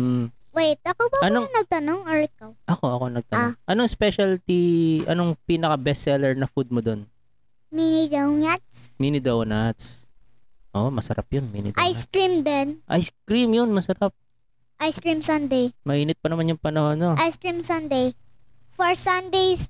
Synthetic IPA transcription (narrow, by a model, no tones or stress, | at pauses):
m̩ | wɛjt̪̚ʔɐkobɐɐnonɐɡ̚t̪ɐnoŋɔɹkoʔɐko̞ʔɐko̞nɐɡ̚t̪ɐnʔɐnoŋspɛʃɐlt̪iʔɐ̰noŋpiːnɐkɐbɛsɛlɛɹnɐfud̪̚mod̪on | minid̪ɐwat̪̚sminɪd̪ɐwnat̪s | ʔoʔmɐsɐɾap̚jonmḭnɪ̰d̪ajskɾimd̪ɛnʔa̰jskɹimjonmɐsɐɾap̚ | ʔajskɹimsɐnd̪ejmɐʔiːnɪt̪̚pɐnɐmanjʊŋpɐnɐhonːoʔajskɹimsɐnd̪ej | fɔɹsɐnd̪ejs